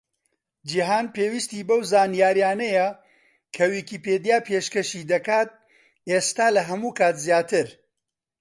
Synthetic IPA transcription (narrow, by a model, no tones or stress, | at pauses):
d͡ʒiɦaːnpeːwist̪iːbɐwzaːnijaːɾijaːnɐjɐ | kʰɐwikiːpeːd̪jaːpʰeʃkɐʃiːd̪ɐkaːt̪̚ | eːst̪aːlɐɦɐmuːkʰaːt̪zjaːt̪ɨɾ